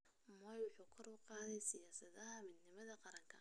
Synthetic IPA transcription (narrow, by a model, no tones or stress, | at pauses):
mɔjwʊħuːkʰɐɾɔwqɑːðɛjsɪjaːsɐðɐɦɐmɪd̪nɪmɐðɐqɑɾɐŋkʰɐ